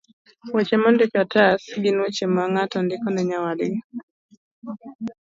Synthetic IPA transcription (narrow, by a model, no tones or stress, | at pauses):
wat͡ʃɛmandɛkatasɡinut͡ʃɛmaŋatandikɔnɛɲawali